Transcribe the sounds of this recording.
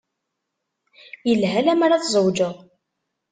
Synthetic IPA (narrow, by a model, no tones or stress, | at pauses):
jəlɦælæmaɾaθzˤəwd͡ʒəʁ